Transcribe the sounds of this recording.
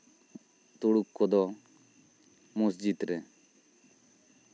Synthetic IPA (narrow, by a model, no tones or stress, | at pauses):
t̪uɽukːɔd̪ɔ | musd͡ʒid̪ɾɛ